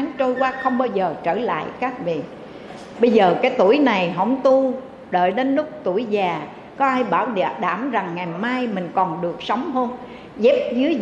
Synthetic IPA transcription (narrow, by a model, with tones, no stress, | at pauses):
ŋt͡ɕo˧jkwaː˧xə˧wŋ͡mɓaː˧wzəː˨˩t͡ɕəː˧˩la̰ː˧˨jkaː˦˥k̚vḭ˧˨ə˨ | ɓə˧jzəː˨˩kaː˨˦jt̪u˧˩əjna˨˩jɦə̰˧˥wŋ͡mt̪u˧ | ɗə̰ː˧˨jɗe˨˧nlʊ˦˥k͡p̚t̪u˧˩əjzaː˨˩ | kɔ˨˦ʔaː˧jɓaː˧˩wɗa̰˨˧˩ɗaː˧˩mza˨˩ŋːa˨˩jmaː˧jmï˨˩ŋ̟kɔ˨˩nɗɨ˨˩ək̚sə˨˦wŋ͡mɦəː˧n | zɛ˦˥p̚zɨ˨˦əj